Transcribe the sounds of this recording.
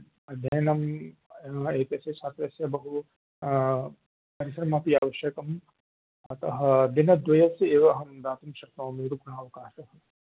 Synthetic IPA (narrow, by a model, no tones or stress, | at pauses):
ɐd̪ʱjɐnɐm | eːkɐset͡ʃʰaːt̪ɐsjɐbɐɦu | pɐɾisɾɐmaːp̪iaːʋɐʃjɐkɐm | ɐt̪ɐɦɐd̪inɐd̪ʋɐjɐseːʋɐɦɐmd̪aːt̪umʃɐɾt̪oːmeɾuɡnaːʋɐkaːsɐɦɐ